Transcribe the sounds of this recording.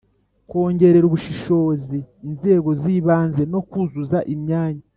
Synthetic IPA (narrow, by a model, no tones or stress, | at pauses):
ko̞ːɲɟe̞ɾe̞ɾuβuʃiʃo̞ːziːnze̞ːɡo̞ziːβaːnze̞no̞kuzuzaʔimɲaːɲa